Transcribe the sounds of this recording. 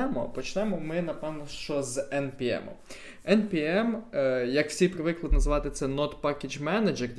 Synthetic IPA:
ɛmɔ̰pɔt͡ʃnɛmɔmɪnɐpɛwnɔʃt͡ʃɔzɛnpʲiɛ̰mʊ̰ | ɛnpʲiɛmjɐkw̥sʲijpɾɪʋɪklˠɪd̪nɐzʋɑt̪ɪt̪sɛnɔt̪pɑkʲed͡ʒmɛnɐd͡ʒɛrʲ

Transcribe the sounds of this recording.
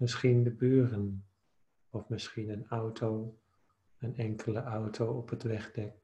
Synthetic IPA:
mɪsχindəbyːrən | ɔfmɪsχinənawtʰow | ənɛŋkʰələʔawtʰowɔpətʋɛχdɛk̚

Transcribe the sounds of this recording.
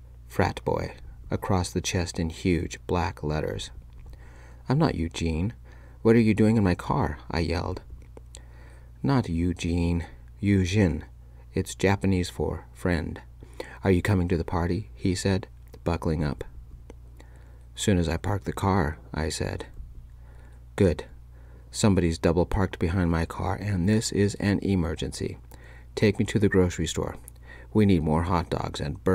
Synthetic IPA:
fɹæ̰t̚b̥ɔ̰ɪɨkʰɹ̥ɔsðɨt͡ʃʰɛstɨ̃nhjʉ̥d͡ʒb̥læklɛɾə̰˞z̥ | ãɪ̃mnə̰ʔjʉd͡ʒĩn | wʌɾə˞jɨdʉɪ̃ŋɨ̃nmaɪkʰɑ̰ɹʔa̰ɪjɛ̰lˠd̥ | nətjʉd͡ʒĩn | jʉʒɪ̃n | ɨtsd̥ʒ̥æpɨniz̥fə̰˞fɹɛ̃nd | ə˞jɨkʰʌ̃mɪ̃ŋtɨðəpʰɑɹɾi | isɛd | b̥ʌkl̩ˠɪ̃ŋʌ̰p | sʉ̃nɨzaɪpʰɑɹk̚ðɨkʰɑɹʔa̰ɪsɛ̰d̥ | ɡ̥ʊd̥ | sʌ̃mbɑɾizdʌbl̩ˠpʰɑɹk̚t̚b̥ɨɦãɪ̃nmaɪkʰɑ̰ɹʔɨ̃nðɪsɪzɨ̃nʔɪmɜ˞d͡ʒɨ̰̃nsḭ | tʰeɪk̚miɾɨðɨɡɹoʊsɹistɔ̰ɹ | winid̚mɔɹɦɑt̚d̥ɔ̰ɡz̥ɨ̰̃nb

